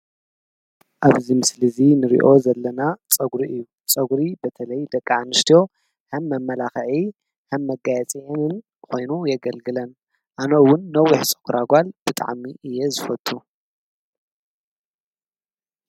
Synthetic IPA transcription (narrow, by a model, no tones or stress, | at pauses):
ʔaβzimɨslɨzinɨɾḭʔo̞zɐlːɐnat͡sʼɐɡɾiʔɨjːu | t͡sʼɐɡɾibɐt̪ʰɐlɐjd̪ɐkʼːaʕanɨst̪ʰijo̞ | hɐmːɐmːɐlaxɐʕi | hɐmːɐɡajɛt͡sʼɐɛnɨn | kʰo̞jnujɐɡɐlɡɨlɐn | ʔanɐwʊnːɐwːiħsʼɐ̥kʰuɾaɡʷalb̥ɨt̪ʼa̰ʕmiʔɨjːezɨfɐt̪ʼːu